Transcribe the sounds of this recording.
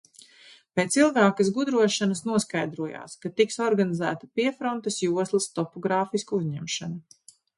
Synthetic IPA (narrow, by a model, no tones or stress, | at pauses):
peːt̪silˠɡaːkasɡud̪ɾuɔʃanɐsnuɔskajd̪ɾuɔja̰ːskat̪iksɔɾɡanizæ̰ːt̪ɐpiɛfɾɔnt̪ɐsjuɔslˠɐst̪ɔpɔɡɾaːfiskauzɲɛmʃanu